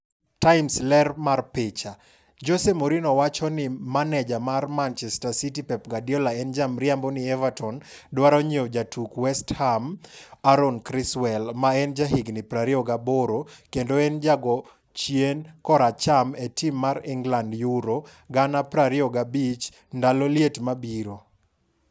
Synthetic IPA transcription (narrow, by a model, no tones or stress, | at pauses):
tajmslɛrmarpɪt͡ʃa | d͡ʒosemoɾinɔwat͡ʃɔnɪmanɛd͡ʒamarmant͡ʃɛstasitipɛp̚ɡadiɔlaɛnd͡ʒamɾjambonɪɛvatɔndwaɾɔɲod͡ʒatʰukwɛsthamaɾɔnkɾiswɛlmaɛnd͡ʒaɦiɡnɪpɾaɾiɔɡaboɾokendoɛnd͡ʒaɡɔ | t͡ʃjenkɔɾat͡ʃametimːaɾiŋɡlandjuɾo | ɡanapɾaɾiɔɡabit͡ʃ | ndaloljetmabiɾo